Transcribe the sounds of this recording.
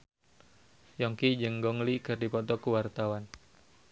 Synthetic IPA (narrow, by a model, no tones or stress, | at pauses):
jɔŋkid͡ʒəŋɡɔŋlikɨrdipɔt̪ɔkuwart̪awan